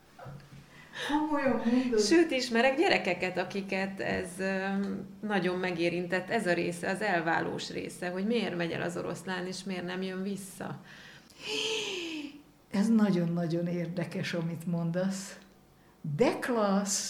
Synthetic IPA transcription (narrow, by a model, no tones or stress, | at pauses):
ojommoʃøːt̪iʃmɛɾɛɡɟɛɾɛkɛkɛt̪ɒkikɛt̪ɛ̰z | nɒɟo̞mːɛɡeːɾint̪ɛt̪ːɛzɒɾeːsɛɒzɛlva̰ːlo̰ːʃrḛːsɛɦo̞ɟmeːrmɛɟɛ̰lʔɒ̰zo̞̰ɾo̞̰slaːneːʃmeːrnɛmjøɱvisːɒ̰ | ɛznɒɟo̞nːɒɟo̞neːrd̪ɛkɛʃɒmit̪mo̞nd̪ɒs | d̪ɛklɒs